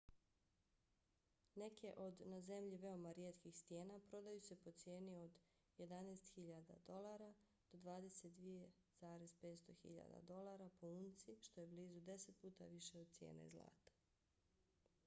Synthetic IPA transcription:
ne̞kʰe̞ʔo̞d̪naze̞mʎiʋe̞o̞maɾjeːt̪kixst̪je̞ːnapɾo̞d̪ajuse̞po̞t̪sje̞ːnio̞d̪ | je̞d̪aneːst̪xiʎad̪a̰d̪o̞laːɾa | d̪̥o̞d̪ʋaːd̪e̞set̪̚d̪ʋije̞ | z̥aːɾezpet̪st̪o̞xḭʎa̰d̪a̰d̪o̞lˠaːɾapouːnt̪siʃt̪o̞je̞bliːzud̪e̞set̪̚puːt̪a̰ʋiʃeod̪̚t̪sjḛːnḛizlˠa̰ːt̪ḁ

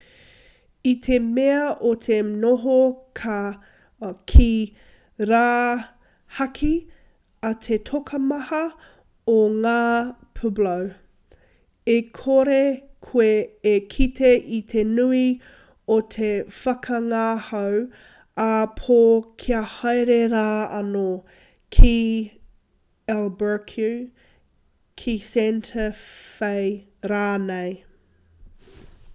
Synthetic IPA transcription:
it̪ʰemeɐʔot̪ʰenoɦokʰɐ | kʰi | ɾaː | hɐkʰi | ɐtʰetʰokʰɐmɐhɐ | oŋaːpʰublɐw | ekʰoɾekʰueːkʰitʰeʔit̪ʰenui | ot̪ʰefɐkʰɐŋahɐw | ɐpʰokʰiɐhɐjɾeɾaːɐno | kʰi | ɛlbə˞kʰjʉ | kʰisɛntʰəfej | ɾaːnej

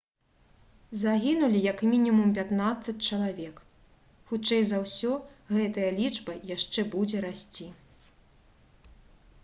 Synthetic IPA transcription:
zaɣʲinulʲijɐkmʲinʲimumpʲat̪nat̪sːɐt͡sʲt͡ʂɐlˠavʲɛk | xut͡ʂɛjzawsʲɔɣɛt̪ɐjɐlʲid͡ʐbɐjaʂt͡ʂɛbud͡zʲɛɾasʲt͡sʲi

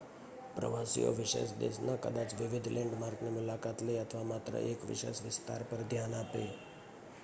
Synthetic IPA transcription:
pɾə̰ʋasḭjo̰ʋiʃḛsd̪ḛsnəkəd̪at͡sʋiʋid̪ʱleɳɖmaɾknimulakat̪ləjət̪ʰəʋamat̪ɾə̰ʔekʋḭʃḛsʋɪst̪a̰ɾpəɾd̪ʱjanape

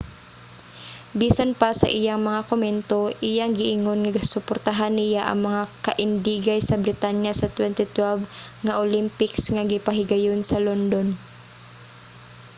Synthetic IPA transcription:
biːsanpasɐ̰ʔɪjaŋmɐŋakʊmɛnt̪oʔɪjaŋɡɪʔɪŋonŋaɡsʊpɔɾt̪aɦanːɪjaʔɐ̰ŋmɐŋakɐʔɪnd̪iːɡajsɐbɾɪt̪anjasɐt̪wɛnt̪ɪt̪wɛlvŋɐʔolɪmpɪksŋɐɡɪpɐɦɪɡɐjonsɐlond̪on

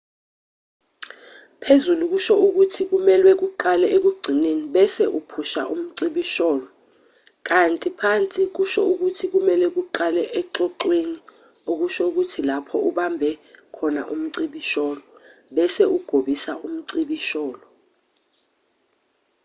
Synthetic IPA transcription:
pʰezuluk̬uʃɔuk̬utʰik̬umɛlwɛk̬uǃalɛʔek̬uɡ͡ǀʱineniɓɛsɛʔupʰuʃa̰ʔum̩ǀiɓiʃɔːlɔ | k̬antʼipʰant͡sʼik̬uʃɔuk̬utʰik̬umɛlwɛk̬uǃalɛʔɛǁɔǃweni | ok̬uʃɔuk̬utʰilapʰɔuɓambʱɛkʰɔna̰ʔum̩ǀiɓiʃɔːlɔɓɛsɛuɡ̥ʱoɓisaʔum̩ǀiɓiʃɔːlɔ

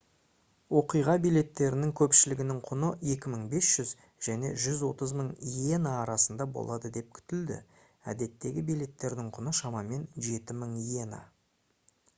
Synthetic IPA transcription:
wo̞qijʁɑbijle̞t̪ːe̞ɾɪnɪŋkʲʰɵpʃɪlɪɡʲɪnɪŋqʰʊnəe̞kʲɪməɴbe̞sʒ̥ʏz | ʒ̥æne̞̰ʒʏzwo̞t̪əzməɴjenaːɾɑsənd̪ɑbo̞̰lˠɑd̪əd̪e̞p̚kʲʰʏ̥t̪ɪld̪ɪ̰ | æ̰d̪e̞t̪ːe̞ɡʲɪbijle̞t̪ːe̞ɾd̪ɪɴqʰʊnəʃɑmɑme̞nʒe̞t̪ɪməɴijena̰

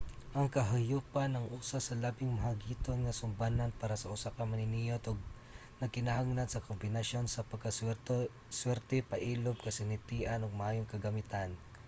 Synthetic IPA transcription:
ʔɐŋkɐɦajuːpanɐŋʔuːsasɐlabɪŋmɐɦaɡiːt̪onŋɐsʊmbananpaːɾɐsɐʔʊsakɐmɐnɪnijot̪oɡ̚ | nɐkɪnɐhaŋnadsɐkombɪnɐʃo̞nsɐpɐɡkːɐ | swɛɾt̪ɛpɐʔiːlob̚kɐsɪnɪt̪iːʔanoɡ̚mɐʔaːjoŋkɐɡɐmɪt̪an

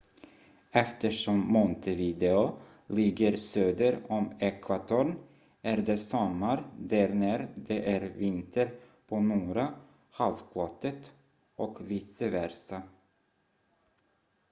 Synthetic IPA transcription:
ɛft̪əʂɔmːɔnt̪ʰəviːd̪ɛʊ | lɪɡːəɾsøːd̪əɾɔmɛkʰvat̪ʰuɳ | æɾɖ̪ɛsɔmːaɾd̪æɾnæɾd̪ɛʔæɾvɪnt̪əɾ | pʰonuːɾa | halvkʰlɔt̪ːət̪ | ɔkviːsəvæɾsa

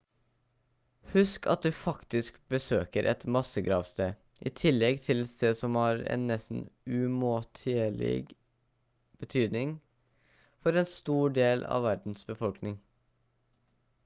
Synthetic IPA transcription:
hʉskʰɑ̰t̪̚d̪ʉːfɑkt̪ɪskbəsøːkəɾʔɛ̰t̪mɑsəɡɾɑːʋst̪eː | ʔḭːt̪ʰɪlːɛɡt̪ʰɪlsst̪eːsɔmhɑːɾɛ̰nːɛsn̩ʉmoːt̪ʰeːɭɪ̰ɡ | b̥ət̪ʰyːd̪nɪŋ | fɔɾɛːnst̪uːɖeːlɑ̰ːʋæɾɖ̪n̩sbəfɔlknɪŋ

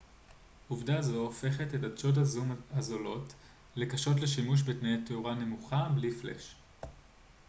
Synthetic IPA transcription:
uvdazo̞ofe̞χetetadʃo̞dazumazolo̞t | le̞kaʃo̞tle̞ʃimuʃ̬betnejateuʁane̞muχabliflḛʃ

